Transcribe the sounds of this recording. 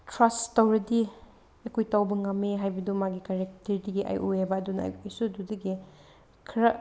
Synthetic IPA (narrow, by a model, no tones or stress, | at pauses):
tɾastawɾɐdi | ɐkojtawbɐŋɐmːeɦajbɐdumaɡikaɾek̚teɾdiɡiʔa̰jʔojabɐːdunɐɐ̰jojsududɐɡi | kʰɾɐ